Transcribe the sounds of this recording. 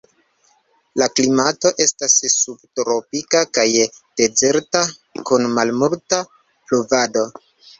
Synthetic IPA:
laklimato̞ʔe̞stasːub̚tɾo̞pikakajd̥e̞ze̞ɾtakunmalmulta | pluvado̞

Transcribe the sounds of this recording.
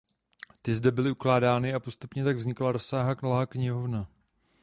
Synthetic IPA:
t̪ɪzdɛbɪlɪuklaːdaːnɪapo̞st̪upɲɛt̪aɡvzɲɪklaɾo̞saːɦaknolaːkɲɪɦo̞vna

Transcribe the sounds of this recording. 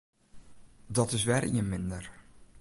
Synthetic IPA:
dɔtɪsʋɛrʔḭənmɪndər

